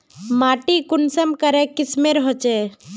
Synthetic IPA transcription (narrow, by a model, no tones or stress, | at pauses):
maːʈikʊnsəmkəɾekɪsmẽɾɦɔt͡ʃe